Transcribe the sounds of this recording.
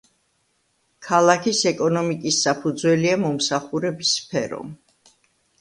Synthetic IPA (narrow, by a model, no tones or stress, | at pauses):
kʰalˠakʰisɛkʼɔnɔmikʼisːapʰud̪zwɛliamɔmsaχuɾɛbisːpʰɛɾɔ̰